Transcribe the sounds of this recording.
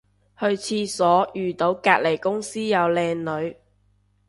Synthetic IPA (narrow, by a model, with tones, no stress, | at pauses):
hɵ˧ɥt͡sʰiː˧sɔː˨˥jyː˨t̪o˨˥wkaː˧t̚le˨˩jkʊ˥ŋsiː˥jɐ˨˧wlɛː˧ŋlɵ˨˧ɥ